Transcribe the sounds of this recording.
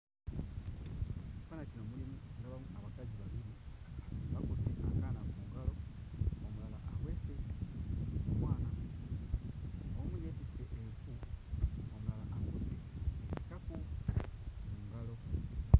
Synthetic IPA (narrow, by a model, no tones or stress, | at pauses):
ikanacinomulimuŋɡaβamuaβakaziβaβiɾi | βakoteʔa̰kanamumuŋɡalo̞omulalaʔawesenukukwaːna | omujefiseʔeɱfu | omulalaʔakuteeekaku | muŋɡalo